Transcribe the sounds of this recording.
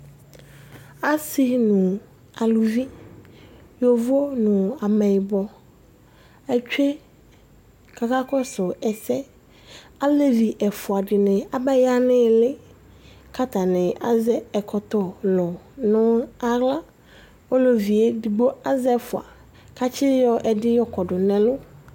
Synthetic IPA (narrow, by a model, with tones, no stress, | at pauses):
a˦si˦nʊ̃˨ | a˨lu˨vi˦ | jo˨vo˦nʊ̃˨a˨mɛ˨bɔ˨ | ɛ˨t͡ʃᶣe˦ | kʰa˨ka˦kɔ˦sʊ˨ɛ˨sɛ˦ | a˦le˦vi˨ʔɛ˨fʊ˨a˨ɖɪ˨nɪ˨a˨bɛ˦ja˦nɪ̃˦˨lɪ˦ | ka˦t̪a˨nɪ̃˨ʔa˨zɛ˦ɛ˨kʰɔ˨t̪ɔ˨lɔ˨nʊ̃˦a˨ɣla˦ | o˦lo˨vi˨e˦di˨ɡ͡bo˦a˦zɛ˦fʊ˨a̰˨ | ka˦t͡ʃʰɪ˦jɔ˦ʔɛ˨dɪ˦jɔ˦kɔ˨ɖʊ˨nɛ̃˨lʊ˦